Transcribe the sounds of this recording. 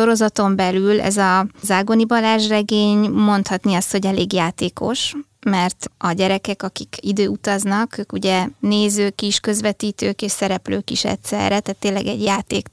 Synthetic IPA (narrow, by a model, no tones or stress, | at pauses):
ʃo̞ɾo̞zɒt̪o̞mbɛlylɛ̰zɒzaːɡonibɒlaːʒrɛɡeːɲmo̞nt̪hɒt̪niɒst̪ho̞ɟɛleːɡjaːt̪eːko̞ʃmɛrt̪ɒɟɛɾɛkɛkɒkikid̪øːut̪ɒznɒkøːkuɟɛneːzøːkiʃkø̞zʋɛt̪iːt̪øːkeːʃsɛɾɛpløːkiʃɛ̰t̪sɛ̰rːɛt̪aːt̪ːeːlːɛɡɛ̰ɟjaːt̪eːk